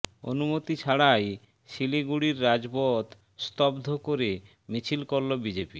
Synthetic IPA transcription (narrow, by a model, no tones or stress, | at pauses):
o̰numot̪it͡ɕʰaɽaj | ʃiliɡuɽiɾːad͡ʑbot̪ | st̪ɔbd̪ʱokoɾe | mit͡ɕʰilkoɾlobid͡ʑepi